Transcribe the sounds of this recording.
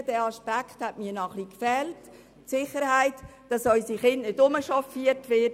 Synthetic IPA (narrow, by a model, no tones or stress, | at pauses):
d̥ɛːɑʃpækχthɛtmiːnɔχlikfɛlt | sɪχəɾhaɪtd̥ɑsɔʏsiχɪndnɪdʊməʃɔfiətʋɪt